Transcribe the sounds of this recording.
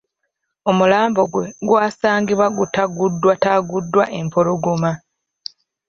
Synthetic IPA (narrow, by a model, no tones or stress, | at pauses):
o̞mulaːmbo̞ɡwe̞ɡwaːsaːŋɡiβwaɡutaɡudːwataɡudːwaʔe̞mpoluɡuma